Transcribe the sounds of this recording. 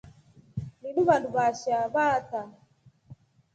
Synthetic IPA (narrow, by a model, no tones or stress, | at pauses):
niɗuβanduβaʃaβata